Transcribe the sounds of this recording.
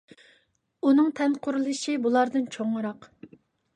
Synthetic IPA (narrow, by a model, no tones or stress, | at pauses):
unɨŋt̪ʰɛnqʰʊɾɨlˠɨʃibulˠɑɾd̪ɨnt͡ʃʰoŋɨɾɑq